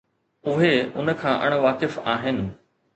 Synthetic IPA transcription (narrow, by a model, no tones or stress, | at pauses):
ʊɦeʊnə̆kʰãːʔɐ̰ɽ̃ʋaːkɪfaːɦɪnɪ̆